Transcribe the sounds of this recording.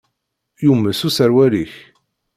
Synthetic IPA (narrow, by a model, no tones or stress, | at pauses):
jumːəsusəɾwæliç